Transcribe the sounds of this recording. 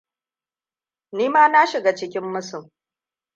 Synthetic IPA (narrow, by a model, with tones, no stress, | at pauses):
niː˦maː˦na˦ʃɪ˨ɡa˨t͡ʃɪ˦kʲɪ˦mːʊ˦sʊ˨m